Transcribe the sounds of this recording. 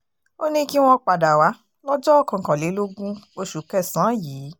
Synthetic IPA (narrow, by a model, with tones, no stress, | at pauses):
o˦nĩ˦ki˦w̃ɔ̃˦k͡pa˨da˨wa˨˦ | lɔ˦d͡ʒɔ˦ɔ˦˨kã˨kã˨le˨˦lo˦ɡũ˦o˧ʃu˨˦kɛ˦˨sã˨˦˨jiː˨˦